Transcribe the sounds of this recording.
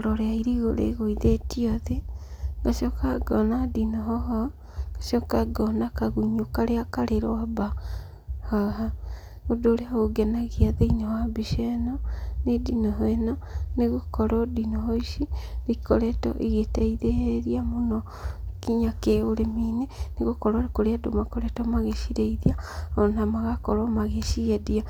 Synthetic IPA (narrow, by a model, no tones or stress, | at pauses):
ɾɔɾeaiɾiɣoɾḛɣoiðetiɔðeŋɡaʃɔkaɡɔnadinɔɦɔɦɔ | ɡaʃɔkaɡɔnakaɣuɲokaɾeakaɾeɾoaba | haɦa | odoɾeahoɡɛnaɣiaðeinawabiʃɛnɔnedinɔɦɛnɔneɣokɔɾɔdinoɦoiʃiɾikɔɾɛtɔ̰ʔiɣeteiðeeɾiamonɔ | kiɲakeoɾemineneɣokɔɾwaɾekoɾeado̰makɔɾɛtɔmaɣeʃiɾeiðiaɔnamaɣakɔɾɔmaɣeʃiɣedia